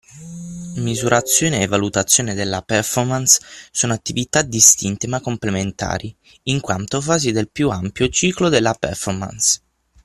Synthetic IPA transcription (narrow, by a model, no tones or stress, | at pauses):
mizuɾʔat̪sːjɔːneːvːalut̪at̪sːjoːned̪elːapɛrfɔrmanssoːnoat̪ːivit̪ad̪ist̪int̪emakːomplement̪a̰ːɾiː | ŋkwa̰nt̪ofaːzid̪elpjuampjot͡ʃiːklod̪elːapɛ̰rfɔrma̰ns